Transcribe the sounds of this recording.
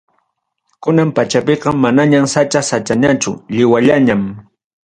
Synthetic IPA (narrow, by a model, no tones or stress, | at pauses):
kʊnampat͡ʃapeqɑmːanaɲamsat͡ʃasat͡ʃaɲat͡ʃʊʎɪwaʎaɲam